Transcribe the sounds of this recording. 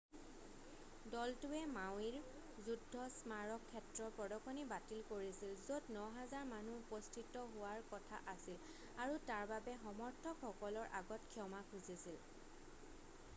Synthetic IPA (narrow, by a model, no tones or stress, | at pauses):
dɔltʊɛmaw̃iɹ | zudʱːɔsmaɹɔkʰːɛtɹɔɹpɔdɔkʰɔnibatilkoɹisilzodnɔɦazaɹmanuupɔstʰitɔɦʊwaɹkɔtʰa̰ʔasil | aɹutaɹbabɛɦɔmɔɹtʰɔkxɔkɔlɔɹʔa̰ɡɔtkʰiɔmakʰuzisil